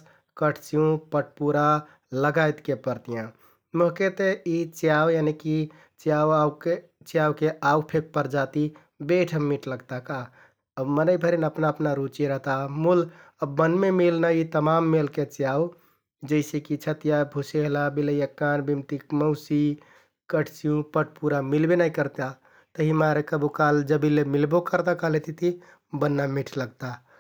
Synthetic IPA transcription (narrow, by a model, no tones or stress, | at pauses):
kəʈʰt͡ʃijũpəʈ̚ʰpuɾa | ləɡajt̪kepəɾt̪ijã | moɦket̪eit͡ʃjawjaniki | t͡ʃjawake | t͡ʃjawkeaupʰek̚pəɾd͡ʒat̪i | beʈʰəmːiʈləɡt̪aka | əmənəɪbʱəɾinəpnaəpnaɾut͡ʃeɾəɦt̪amul | əbːənmemilnajit̪əmamːelket͡ʃijaw | d͡ʒəɪsekit͡ʃʰət̪ijabʱuseɦlabiləjəkːanbimt̪ikməʊsi | kəʈʰsijũpəʈ̚ʰpuɾamilbenaikəɾt̪a | t̪əɦimaɾekəbukald͡ʒəbilːemilbokəɾt̪akalet̪it̪i | bənːamiʈʰləɡt̪a